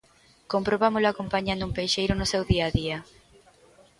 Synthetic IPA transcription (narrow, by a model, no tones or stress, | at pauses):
kompɾoβamʊlʊakompaɲãnd̪umpejʃejɾʊnʊsewðiaðiɐ